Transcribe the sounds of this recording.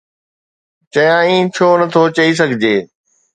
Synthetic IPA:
t͡ɕɐjãːĩːt͡ɕʰoːnɐt̪ʰot͡ɕɐis̬ɐɡʱɪd͡ʑeː

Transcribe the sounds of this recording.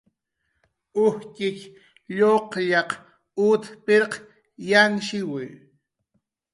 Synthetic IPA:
ʊhkɪk | ʎoqʎɑq | ʊt̪peɾq | janʃɪwʊj

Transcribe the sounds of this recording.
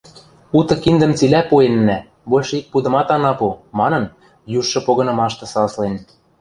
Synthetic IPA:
ut̪ɤ̆kind̪ə̆mt͡silæpuenːæ | βolʲʃɤik̚pud̪ɤ̆mɑt̪ɑnɑpomɑnɤ̆n | juʃːɤ̆poɣɤ̆nɤ̆mɑʃt̪ɤ̆sɑlslen

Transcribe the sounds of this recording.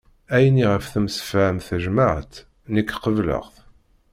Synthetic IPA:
æjniʁəfθəmsə̥fəmθəʒmaʕt̪ | nəkːqəvlə̰ʁθ

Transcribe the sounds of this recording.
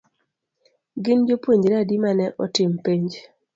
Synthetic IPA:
ɡɪnd͡ʒopwoɲd͡ʒɾadimanɛʔɔtɪmpiɲd͡ʒ

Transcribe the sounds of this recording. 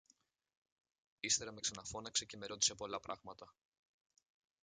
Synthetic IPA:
ist̪e̞ɾɐmeksɐnɐfo̞nɐkse̞ce̞me̞ɾo̞t̪ise̞po̞lɐpɾʔɐɣmɐt̪ɐ

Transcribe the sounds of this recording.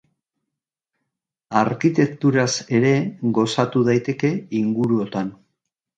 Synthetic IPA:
aɾkit̪e̞kt̪uɾase̞ɾe̞ɣo̞sat̪uð̞ajt̪e̞ke̞iŋɡuɾuo̞t̪an

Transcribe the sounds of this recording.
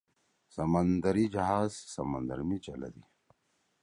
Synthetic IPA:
sɐmɐnd̪ɐɾid͡ʑɐɦaːzsɐmɐnd̪ɐɾmit͡ɕɐlɐ̰d̪i

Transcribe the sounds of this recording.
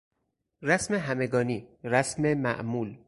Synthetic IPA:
ræsmeɦæme̞ɡɒːniːɾæsmemæ̰ʔmuːl

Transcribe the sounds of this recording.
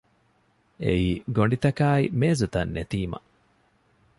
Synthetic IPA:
ḛiːɡoɳɖit̪ɐkaːimeːzut̪ɐnːet̪iːmɐ̰

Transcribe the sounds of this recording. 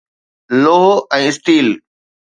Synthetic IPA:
loːɦoʔɛ̃ːɪsʈiːl

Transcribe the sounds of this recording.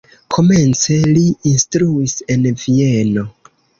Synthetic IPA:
kʰo̞me̞nt͡se̞liinstɾuise̞nvie̞no̞

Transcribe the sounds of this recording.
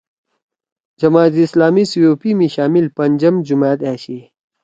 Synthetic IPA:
d͡ʑɐmaːt̪islaːmisujoːpimiɕaːmilpɐnʲd͡ʑɐmd͡ʑumaːt̪aːɕi

